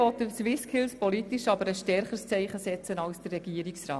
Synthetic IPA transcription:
ɔtəswɪskʰɪlspɔlitiʃɑbəɾəsʃtɛɾχəɾst͡sɛɪχəsɛt͡sənɑwsd̥ərːɛɡ̥iːəɾiksɾɑː

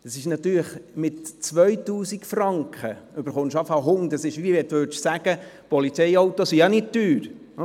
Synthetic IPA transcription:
d̥ɑsɪʃnɑt̪yːləχmɪtt͡sʋœʏtuːsikfrɑŋkχəʏb̥əɾχʊnʃɑfɑɦʊŋd̪ɑsɪʃʋiɛtvøtʃsæɡ̥ə | pɔlit͡sɛjɑwt̪osijɑnɪd̚tyːɾ

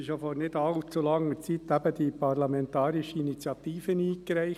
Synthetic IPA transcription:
ʃofɔɾnɪdɑlt͡sulɑŋːəɾt͡sit̪æb̥əd̥̪ipʰɑɾlɑmɛnt̪ɑːɾɪʃəinit͡sjɑt̪iːfəniːkɾæɪ

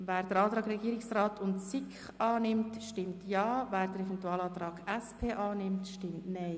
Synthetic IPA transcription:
væːɾd̥əɾɑːt̪ɾɑːɡrɛɡiːɾɪksraːtʰʊntsɪkχ | ɑːnɪmtʃtɪmtʰjɑːvæːɾd̥əɾɛfɛntuɑːlɑːt̪rɑːɡ̥ɛspʰeːʔɑːnɪmtʃtɪmtnɛɪ

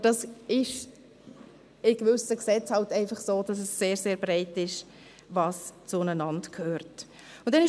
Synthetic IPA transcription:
d̥ɑsɪʃ | ɪɡ̥vʏsəksɛt͡shɑltæɪfɑχsoːd̥ɑsɛsːeːɾseːɾbɾɛɪtɪʃ | vɑst͡sʊnənɑntkʰhøːɾt | ʊnd̥ɛnɪ

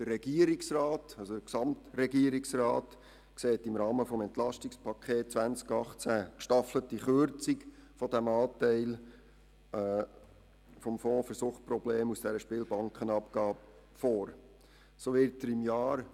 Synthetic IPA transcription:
d̥əɾɛɡ̥iəɾɪksrɑːtɑlsodəksɑmtɾɛɡiəɾɪksrɑːt | kseːtɪmɾɑːməfɔmɛnt̪lɑʃtɪkspʰɑkʰχeːt̚t͡svænt͡skɑχt͡sækʃtɑflətiχøɾt͡sikfɔdæmɑːtæɪl | fɔmfɔ̃ːfəɾsuχprɔbleːmusd̥ɛɾəʃpɪːlbɑŋkχənɑpɡ̥ɑːb | foːɾ | soːʋɪɾtəɾɪmjɑːɾ

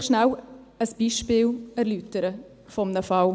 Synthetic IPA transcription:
ʃnæwəsb̥iːʃpɪːlæɾlytəɾə | fɔmnəfɑw

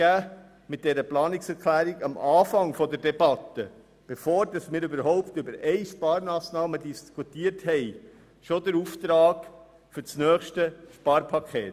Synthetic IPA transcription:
æː | mɪt̚d̥ɛɾəplɑːnɪksɛɾkʰlæːɾiɡɑmʔɑːfɑŋfɔdəɾdɛbɑt̪ə | b̥efoːɾd̥ɑsmɪːɾʏbəɾhɔʊptʏbəɾɛɪʃpɑːɾmɑːsnɑːmədiskʰutiəɾthɛɪ | ʃod̪əɾuft̪ɾɑːɡ | fʏɾt͡snœːχʃtəʃpɑːɾpʰɑkʰeːt

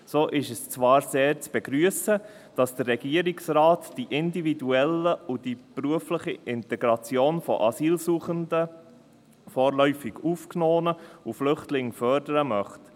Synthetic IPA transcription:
soːʔɪʃɛst͡sʋɑːɾseːɾt͡sb̥ɛɡɾyəsə | d̥ɑsd̥ərːɛɡ̥iəɾiksɾɑːtd̥iʔɪndividuɛləud̥ipɾuəfləχiʔɪntɛɡɾɑt͡sjoːnfɔ̰ʔɑsiːlsuːχəndə | fɔːɾlœʏfiɡufknoːnəuflʏχtlɪŋfœɾdəɾəmœχt

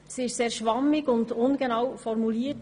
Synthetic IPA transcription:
siɪʃseːɾʃʋɑmːɪɡʊndʊnɡənawfɔɾmuliːət

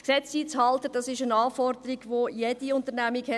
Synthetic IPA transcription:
ksɛt͡siːt͡shɑltəd̥ɑsɪʃənɑːfɔrd̪əɾiɡʋojed̥iʊntəɾnæmiɡhɛ

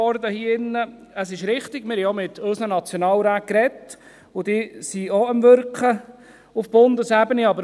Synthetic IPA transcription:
ɔɾdəhiːɪnːə | əsɪʃɾɪχtɪɡ̥mɪɾhɛɔmɪt̪ʰɵsnənɑt͡sjonɑːlɾæːt̚kɾɛt | ʊd̥ɪːsiɔəmʋʏɾkχə | ʊfb̥ʊndəsæbəniɑbəɾ

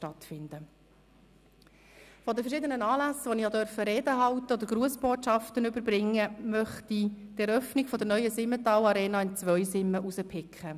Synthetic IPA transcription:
ʃtɑt̪fɪnd̥ə | fɔdəfəɾʃɪːdənənɑːlæsʋonijɑdœɾfəɾeːdəɦɑwt̪əod̪əɾɡɾuəsb̥oːtʃɑft̪ənʏbəɾbɾɪŋːəmœχtit̪ɛɾœfnɪɡ̥fɔdəɾnœʏəsɪmːətɑːlɑɾeːnɑːɪnt͡svʋœʏsɪmːəʔusəpʰɪkχə

